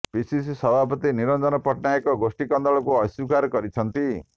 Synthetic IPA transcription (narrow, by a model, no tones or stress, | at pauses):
pisisisɔbʱapɔt̪iniɾɔnd̪ɔnɔpɔʈnaekɔɡosʈikɔnd̪ɔɭɔkuɔsukaɾɔkɔɾit͡ʃʰɔnt̪i